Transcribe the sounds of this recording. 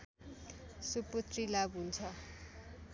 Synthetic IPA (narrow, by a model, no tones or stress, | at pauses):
suput̪rilabɦunt͡sʰʌ